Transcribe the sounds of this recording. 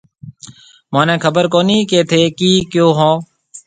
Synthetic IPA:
mãːnẽːkʰəbəɾkoːniːkeːt̪ʰeːkiːkjoːɦõː

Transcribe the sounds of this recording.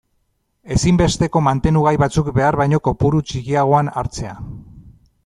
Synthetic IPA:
e̞simbe̞st̪e̞ko̞mant̪e̞nuɣ̞ajβat͡sukbe̞aɾβajɲo̞ko̞puɾut͡ʃikiaɣ̞o̞ana̰ɾt͡se̞a

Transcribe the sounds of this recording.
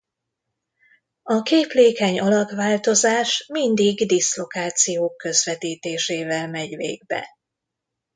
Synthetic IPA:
ɒkeːpleːkɛɲɒlɒt̪vaːlt̪o̞zaːʃmind̪iɡd̪islo̞kaːt̪sijoːkːø̞zʋɛt̪iːt̪eːʃeːvɛlmɛɟvḛːɡ̚bɛ̰

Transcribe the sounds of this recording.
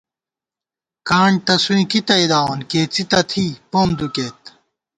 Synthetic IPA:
kaːɳt̪ɐsuĩkit̪ɐid̪aːonkeːt͡sit̪ɐt̪ʰipoːmd̪ukeːt̪̚

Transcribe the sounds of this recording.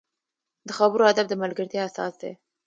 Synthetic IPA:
d̪̥əxabəɾohad̪abd̪əmalɡəɾt̪jɑasɑ̰sd̪ḛ

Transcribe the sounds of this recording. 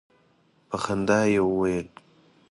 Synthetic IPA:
paxand̪ɑjewwajəl

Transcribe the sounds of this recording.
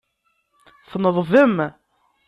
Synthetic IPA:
θnəðˤvəm

